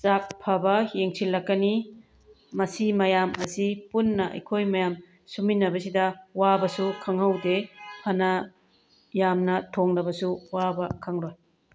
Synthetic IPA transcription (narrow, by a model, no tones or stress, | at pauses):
t͡ʃak̚pʰɐbɐjeŋsilːɐkːɐni | mɐsimɐjamɐsipunːɐʔɐ̰jkʰojmɐjam | suminːɐbɐsidɐwabɐsukʰɐŋɦɐwdepʰɐnɐ | jamnɐtʰoŋnɐbɐsuwabɐkʰɐŋɾoj